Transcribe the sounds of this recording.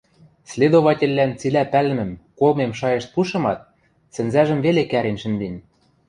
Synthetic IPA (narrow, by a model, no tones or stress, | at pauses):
slʲed̪oβɑtʲĕlʲːænt͡silæpæl̆mɘ̆mkolmemʃɑjɤ̆ʃt̪̚puʃɤ̆mɑt̪̚ | sɘ̆nzæʒə̆mvelekæɾenʲʃɘ̆nd̪enʲ